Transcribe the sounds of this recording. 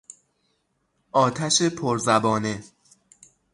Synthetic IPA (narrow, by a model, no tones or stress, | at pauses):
ʔɒːt̪ʰæʃepʰoɾzæbɒːne̞